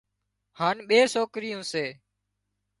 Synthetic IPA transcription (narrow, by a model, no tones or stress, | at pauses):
haːnɓeːsoːkɾɪjõːseː